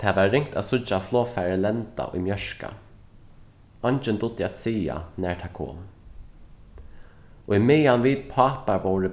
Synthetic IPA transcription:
t̪ʰaːʋaːɪŋkt̪at̪sʊt͡ʃːaflˠoːfɛɹɪlɛnt̪a̰ʔʊ̰jmjœʂka̰ | ɔnt͡ʃɪnd̪ʊd̪ɪat̪siːa̰nɛɹt̪ʰaːkʰo̰ːm | ʔimɪjanviːd̪̚pʰɑːpaɹʋowɾɪ

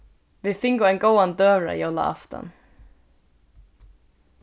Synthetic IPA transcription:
ʋɪfɪŋɡʊɛnɡowand̪œːɾa̰jola̰ʔa̰ft̪a̰n

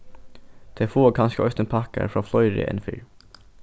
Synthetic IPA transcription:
d̪̥ʰeːfoːkʰɑnskəœst̪ənpʰɑkə̰ɾfɹɑːflœʏɾɪ̰ʔɛ̰nfy̰ːɹ

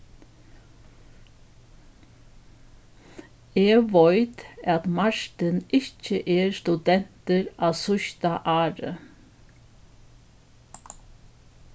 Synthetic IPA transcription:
eːɡʋœʏt̪ɑt̪mɑʃt̪ənɪc͡çəʔeːɾst̪ʉd̪ɛn̥t̪əɾɑːsʊçt̪aʔɑːɾə

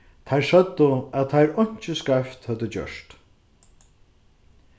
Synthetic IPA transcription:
t̪ʰajɹʃœt̪ːəæðt̪ʰajɾɔɲ̥t͡ʃɪskaft̪hœt̪ːət͡ɕœ̰ʂt̪

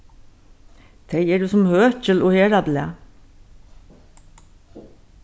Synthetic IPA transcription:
d̪ʰeːjiːɖʉːsɔmhøːçəlʔoːheːɖɑblḛː

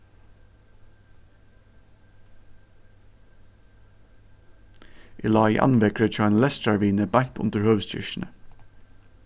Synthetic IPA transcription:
ʔɪlɑːɪ̰ʔɑ̰nʋɛkɹət͡ʃʰɑːeːnlɛst̪ɑɹʋiːnəbɑŋt̪ʊ̰nd̪əɹhœːʋsc͡çɪ̰ʃn̩ə

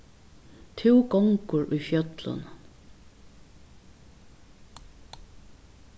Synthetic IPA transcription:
t̪ʰɪwɡɔŋkʊɹʔʊjfjœt̪lʊ̰n

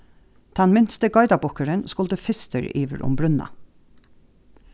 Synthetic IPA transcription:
d̪̥ʰɑnmɪnst̪əɡɑɪd̪ɑbɔkəɾənskʊld̪əfɪst̪ə̰ɹiːʋə̰ɾʔʊ̰mbɾʉnɑ̰

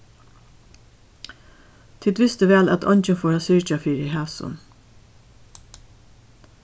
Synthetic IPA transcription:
t̪ʰiːt̪ʋɪst̪əʋɛːlæt̪ʰɔ̰ɲt͡ʃənfoːɹasʏɹt͡ʃafiːɾɪɦæːsʊ̰n

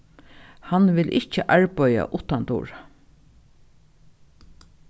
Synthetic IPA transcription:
hanʋɪlʔɪht͡ʃəʔaɹpœja̰ʔʊt̪ant̪ṵːɹa

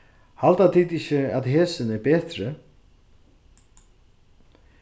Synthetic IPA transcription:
halt̪at̪ʰit̪ɪçɪaðɦɛːsɪnɛɾpɛːt̪ɾɪ

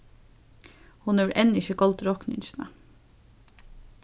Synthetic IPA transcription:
hʊnɛːʋɾʔɛnɪçəɡɔlt̪ɾɔknɪ̰ɲʃnə̰

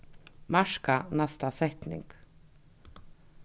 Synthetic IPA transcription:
maʂkanast̪asɛht̪nɪ̰ŋk

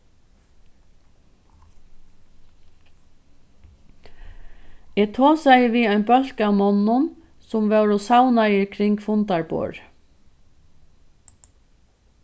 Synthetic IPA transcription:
ɛːt̪ʰoːsajviːajnbœl̥kamɔnːʊn | sʊmʋɛwɾʊsawnajɪɾkʰɾɪŋkfʊnt̪aɹbo̰ːɹ

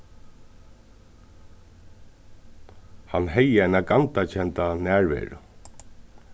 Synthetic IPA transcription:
hanːɦɛjəajnaɡant̪acʰɛnt̪anæːɹvɛ̰ːɾʊ̰

